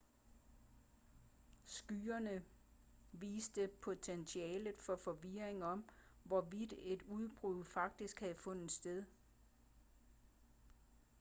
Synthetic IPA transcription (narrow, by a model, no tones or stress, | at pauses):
sɡ̥yːɐnə | ʋḭːsd̥əpʰo̝t͡sʰenɕʰiɛːlð̩ˠfɒ̽fɒ̽ʋiɐ̰eŋɒ̽mʋɒʋid̥e̝d̥uð̞ˠb̥ʁuð̰ˠfɑ̈ɡ̥̚d̥isɡ̥hæðˠfɔ̽n̰ð̩ˠsd̥eðˠ